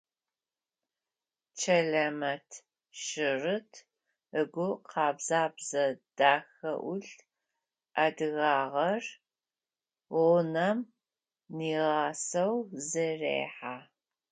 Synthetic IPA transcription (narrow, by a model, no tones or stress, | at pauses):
t͡ʃʰɐɮɐmɐtʰ | ʃɪrɨtʰ | əɡʷʊqʰɑːbzaːbzɐd̥aːxɐ̰ʔʊɬ | ʔadɨɣɑːʁɐr | ʊnɐm | niːʁɑːsɐwzɨrḛːħaː